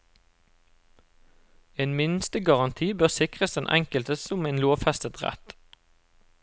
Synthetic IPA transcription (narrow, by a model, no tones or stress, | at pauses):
eːnmɪnst̪əɡɑʁɑnt̪ʰiːbøːʁsɪkʁəsd̪ɛnʔɛ̰ŋkəlt̪əsʊmeːnloːʋfɛst̪ət̪ʁɛ̰t̪